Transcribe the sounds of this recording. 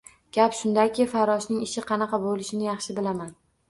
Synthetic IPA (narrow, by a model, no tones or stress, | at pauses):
ɡ̥ʲapʃʊnd̪akʲɪfaɾɒʃnɪŋɪʃɪqʰɑnɑqɑbolɪʃɪnɪjɑχʃɪbɪlaman